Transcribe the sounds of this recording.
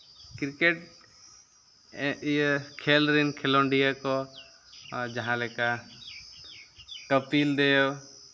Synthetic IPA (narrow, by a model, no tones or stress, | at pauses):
kiɾkeʈ | kʰelɾinkʰɛloɳɖijakɔ | d͡ʒaɦãlɛka | kəpild̪eo